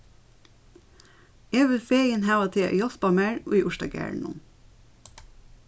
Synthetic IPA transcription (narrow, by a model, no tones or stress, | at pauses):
eːʋəfeːɡənhæʋɑt̪ʰḛːʔːjɔspɑmæːɹo̰ːiːʔʊʃtɑ̰ɡæ̰ːɹɳɔ̰n